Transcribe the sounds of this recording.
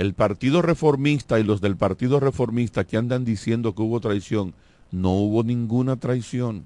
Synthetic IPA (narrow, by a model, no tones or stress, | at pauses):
e̞lpaɾt̪iðo̞re̞fo̞ɾmist̪ailo̞zðe̞lpaɾt̪iðo̞re̞fo̞ɾmist̪akeand̪and̪isje̞nd̪o̞keuβo̞t̪ɾajsjo̞n | no̞uβo̞nĩŋɡunat̪ɾajsjo̞n